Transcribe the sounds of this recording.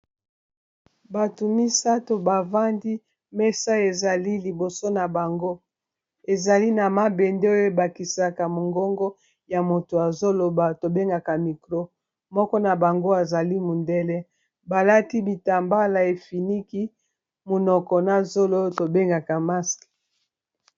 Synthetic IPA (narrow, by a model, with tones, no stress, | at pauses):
ba˨tu˨mi˦sa˦to˨ba˨va˦ndi˦ | mɛ˦sa˦e˨za˨li˦li˨bo˨so˦na˨ba˨ŋɡo˦ | e˨za˨li˦na˨ma˦bɛ˨ndɛ˦o˦jo˦e˦ba˨ki˨sa˨ka˨mo˨ŋɡɔ˦ŋɡɔ˦ | ja˨mo˨to˨a˨zo˦lo˨ba˨to˨be˦ŋɡa˨ka˨mi˨klo˦ | mɔ˦kɔ˦na˨ba˨ŋɡo˦a˨za˨li˦mu˨ndɛ˦lɛ˦ | ba˨la˦ti˦bi˨ta˨mba˦la˨e˨fi˨ni˦ki˦ | mo˨nɔ˨kɔ˨na˨zo˦lo˦o˦to˨be˦ŋɡa˨ka˨ma˦sk